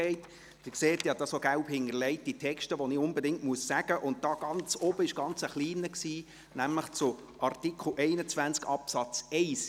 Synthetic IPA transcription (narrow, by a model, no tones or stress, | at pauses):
ɛɪt | d̥ɪkseːt̪jɑd̥̪ɑsoɡæʊphɪŋəɾlɛɪt̚d̥itʰɛkʃtəʋɔniʊnbedɪŋtmuəssæɡ̥əʔʊnt̚d̥ɑːɡ̥ɑnt͡sɔb̥əɪʃɡ̥ɑnt͡səχliːnəksiː | næmləχt͡sʊ | ʔɑrt̪ikχl̩ʔɛɪnət͡sʋænt͡skɑpsɑt͡sɛɪs